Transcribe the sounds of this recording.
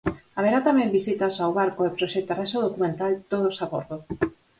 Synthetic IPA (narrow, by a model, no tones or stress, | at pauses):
aβeɾat̪amẽmbisit̪asawβaɾkoepɾoʃɛt̪araʃaðokumẽnt̪alt̪oð̞osako̰ɾðo